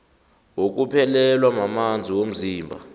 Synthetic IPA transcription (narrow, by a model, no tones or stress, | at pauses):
wok̬upʰɛlɛlwamamand͡zʱiwom̩ziːmbʱa̰